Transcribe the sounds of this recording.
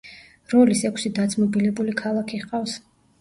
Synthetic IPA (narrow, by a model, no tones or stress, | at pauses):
ɾɔlisɛkʰʷsid̪at̪sʰʼmɔbilɛbulikʰalˠakʰiʁqʼafs